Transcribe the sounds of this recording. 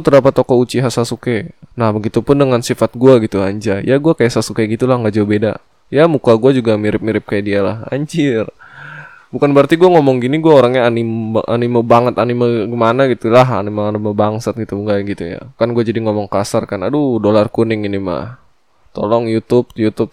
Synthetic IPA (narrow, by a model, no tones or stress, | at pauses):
t̪əɾapat̪ːokɔut͡ʃiɦasasukenahbəɡit̪upʊndəŋansifat̪̚ɡuaɡit̪uaɲd͡ʒajaɡuakajaʔsasukeɡit̪ulahŋɡaʔd͡ʒaabeda̰ | jamukaɡuad͡ʒuɡamiɾɪp̚miɾɪp̚kajaʔdialaha̰ɲt͡ʃɪr | bukanbəərt̪iɡuaŋomɔŋɡiniɡuaoɾaŋɲaːnimaʔanimabaŋət̪animaɡəmanaɡit̪ulaɦa̰nimaːnimabaŋsət̪̚ɡit̪uŋɡaɡit̪uja̰kanɡuad͡ʒadiŋomɔŋkasarkanadudolarkunɪŋinima̰h | t̪olɔŋjut̪ʊp̚jut̪up̚